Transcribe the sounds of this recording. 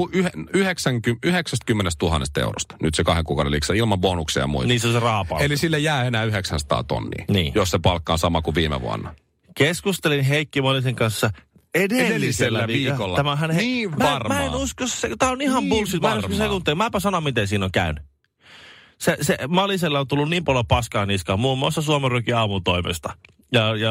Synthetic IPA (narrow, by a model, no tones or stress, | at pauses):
uyheyheksæŋkyyheksæst̪kymːenest̪uhɑnːest̪ḛuro̰st̪nyt̪sekɑheŋkuːkɑ̰ˑuɾelḭksɑilmɑmbonuksḭjɑ̰mṵḭniːnsoserɑːpɑ̰lelisilːæjæːenæːyheksænsɑ̥t̪ɑ̰ːt̪o̰nːḭːnḭːjossepɑlkːɑːnsɑmɑkuʋiːmḛʋṵɑ̰nːɑ | keskust̪elinɦeikːimɑliseŋkɑnsːɑ | edelːiselːæʋiːolːtæmæɦænhniːmɑrmæenuskosset̪æːonihɑmbulsit̪mæenukosekunt̪ːelimæepæsɑnommit̪ensiːnoŋkæyny | seseʔmɑliselːɑont̪ulːunniːmpɑljopɑskɑːniskɑːmmuːmːuɑˑst̪ɑsuɑmerykiɑːmut̪oimḛst̪ɑ̥ | jɑjɑ